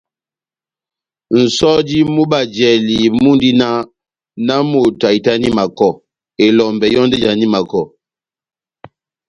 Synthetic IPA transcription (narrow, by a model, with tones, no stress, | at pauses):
n̩˨sɔ˦di˦mu˦ba˨d͡ʒɛ˨li˨mu˦n˦di˦na˦ | na˦mo˨ta˨i˨ta˦ni˦ma˨kɔ˦˨ | e˨lɔ˨mbɛ˨jɔ˦nde˦d͡ʒa˨ni˦ma˨kɔ˨